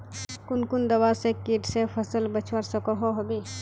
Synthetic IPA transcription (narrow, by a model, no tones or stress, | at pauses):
kʊnkʊnd̪ɐwasekiʈsepʰəsəlbət͡ʃʰwaɾsɐkoɦoɦɐbi